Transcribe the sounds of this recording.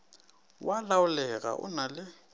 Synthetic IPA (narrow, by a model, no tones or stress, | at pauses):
walaʊlɛk̬a̰ʔʊ̰nalɪ